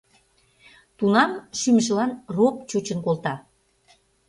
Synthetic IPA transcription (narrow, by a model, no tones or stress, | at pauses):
t̪unɑmʃymʒə̆lɑnrop̚t͡ɕut͡ɕənkolt̪ɑ